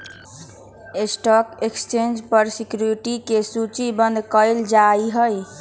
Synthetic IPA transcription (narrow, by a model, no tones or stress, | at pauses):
esʈɔkekst͡ʃend͡ʒpəɾsikjɾuɾiʈikesut͡ʃibənd̪ʱkəɪld͡ʒaiɦəj